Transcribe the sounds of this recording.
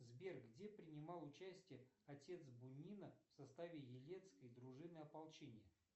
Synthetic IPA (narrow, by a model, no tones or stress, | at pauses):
zbʲerkɡdʲepɾʲɪnʲɪmɑlˠʊt͡ɕæsʲtʲɪjəɐtʲe̞t̪sbʊnʲːinəfsɐst̪avʲɪjɪlʲet̪skəjd̪ɾʊʐɨnəjɐpɐlˠt͡ɕenʲɪjə